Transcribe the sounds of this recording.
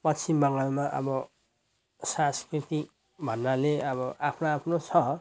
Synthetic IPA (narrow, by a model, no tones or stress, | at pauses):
pʌt͡sʰimbʌŋalmaʔʌ̰bʌ | sãskrit̪i | bʱʌnːaleʌβʌʔapʰnoapʰnot͡sʰʌ